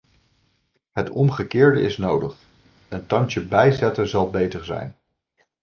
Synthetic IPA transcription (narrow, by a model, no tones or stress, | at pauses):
ɦətɔmχəkɪːɹdə̰ɪsnowdəχ | əntɑŋtəbɛjzɛtəzɑlˠbejtəɹzɛ̰jn